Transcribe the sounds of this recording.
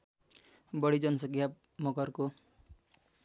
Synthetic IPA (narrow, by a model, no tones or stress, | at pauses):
bʌɽid͡zʌnʌsʌkʰja | mʌkʌrko